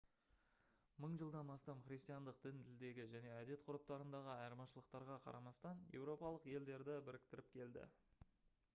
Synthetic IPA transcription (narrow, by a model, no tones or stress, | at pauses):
məɴʒəlˠd̪ɑnɑst̪ɑmχɾʲijst̪ijɑnd̪əq̚d̪̥ɪnt̪ʰɪld̪e̞ɡʲɪʒæne̞æd̪e̞t̪qʰʊɾəp̚t̪ɑɾənd̪ɑʁəɑjəɾmɑʃəlˠəq̚t̪ɑɾʁɑqʰɑ̰ɾɑmɑst̪ɑnje̞̰wɾo̞pɑlˠəqje̞ld̪e̞ɾd̪ɪbɪɾɪk̚t̪ɪɾɪp̚kʲʰe̞ld̪ɪ̰